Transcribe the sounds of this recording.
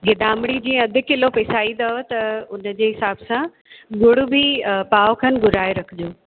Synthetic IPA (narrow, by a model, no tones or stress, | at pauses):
ɡɪd̪aːmɽ̃id͡ʑĩːə̃ɐd̪ʱɪ̆kɪlopeːsaːid̪ɐot̪ɐʊnəd͡ʑeːɦɪsaːbsã | ɡʊɽʊbipaːokʰɐn̆ɡʊɾaːeɾɐkʰɪd͡ʑoː